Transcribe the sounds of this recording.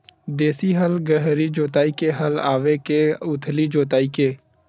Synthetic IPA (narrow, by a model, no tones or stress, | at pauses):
d̪eːsiɦəlɡəɦɾid͡ʒoːt̪aːikeɦəlaːʋekeʊt̪ʰlid͡ʒoːt̪aːikeː